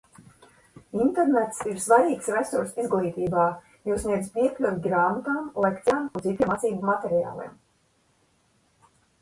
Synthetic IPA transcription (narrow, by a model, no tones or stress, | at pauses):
int̪ɛɾnɛt̪siɾsvaɾʲiːksɾɛsuɾsizɡlˠiːt̪iːbaː | juːsniɛzpiɛklʲuvʲiɡɾaːmat̪aːmlˠekt̪saːmunzit̪ʲimat̪siːbumat̪ɛɾija̰ːlˠḭɛm